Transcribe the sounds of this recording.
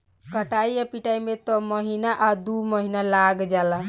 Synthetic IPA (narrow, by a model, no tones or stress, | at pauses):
kəʈajapiʈajmet̪ɔməɦinaʔad̪uməɦinalaɡd͡ʒala